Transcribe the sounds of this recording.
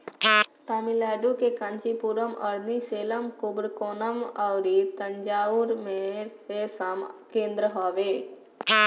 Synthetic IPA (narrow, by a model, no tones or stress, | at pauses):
t̪amilɛːɖukekant͡ʃipuɾəmə̰ɾniseːləmkʊbɾkoːnəmawɾit̪əɲd͡ʒaːuɾmeɾɦesamkẽːnd̪ɾəɦɔːʋeː